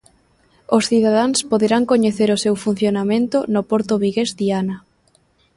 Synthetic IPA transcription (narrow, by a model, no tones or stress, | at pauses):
osθiðaðaŋspoðeɾaŋkoɲeθeɾʊsewfun̟θjonamẽnt̪ʊnopoɾt̪oβiɣezdianɐ